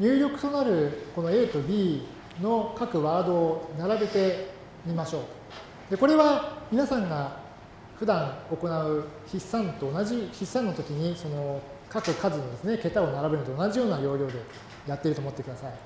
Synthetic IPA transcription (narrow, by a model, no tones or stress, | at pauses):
ɲʲɨːɾʲo̞kɯ̟̥t̪o̞naɾɯ̟ko̞no̞e̞ːt̪obʲiː | no̞kakɯ̟βaːd̪o̞ːnaɾabe̞t̪e̞ | mʲimaɕo̞ː | d̪̥e̞ko̞ɾe̞βamʲinasãŋɡa | ɸɯ̟d̪ãŋo̞ko̞naɯ̟çisːãnt̪o̞ːnaʑiçisːãnːo̞t̪o̞kʲiɲ̟iso̞no̞ | kakɯ̟kazɨno̞d̪e̞sɨne̞ke̞t̪ao̞naɾabenɯ̟t̪oːnaʑijo̞ːnajo̞ːjʲo̞ːd̪e̞ | jat̪ːe̞iɾɯ̟omot̪ːekɯ̟d̪asai